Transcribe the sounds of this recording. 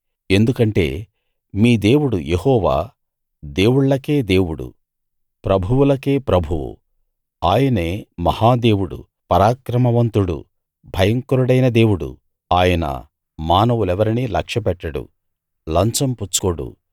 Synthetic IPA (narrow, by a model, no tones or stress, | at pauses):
e̞nd̪ukɐɳʈe̞̰ː | miːd̪eːwuɽujehɔːʋa̰ː | d̪e̞ːwuɽlɐke̞ːd̪e̞ːwuɽṵ | pɾɐbʱuwulɐke̞ːpɾɐbʱuʋṵ | aːjɐne̞ːmɐhaːd̪e̞ːwuɽṵ | pɐɾaːkɾɐmɐʋɐnt̪uɽṵ | bʱɐjɐŋkuɾuɽɐjnɐd̪e̞ːwuɽṵ | aːjɐnɐ̰ | maːnɐʋulɛʋɐɾinilɐkʂɐpɛʈːɐɽṵ | lɐnt͡ʃɐmput͡ʃːu̥koɽṵ